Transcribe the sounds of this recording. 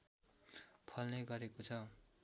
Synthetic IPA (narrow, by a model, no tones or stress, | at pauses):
pʰʌlnʌɡʌɾekot͡sʰʌ